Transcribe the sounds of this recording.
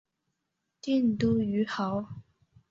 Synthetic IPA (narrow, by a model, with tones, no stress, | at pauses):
t̪i˥˨n˨t̪u˥y˨˥xa˨˥w